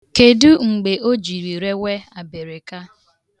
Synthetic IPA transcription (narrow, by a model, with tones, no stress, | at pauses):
ke˨du˦ŋ͡m̩˨ɡ͡be˨ʔo˦d͡ʒi˨ɾi˨ɾe˦we˦a˨be˨ɾe˨ka˦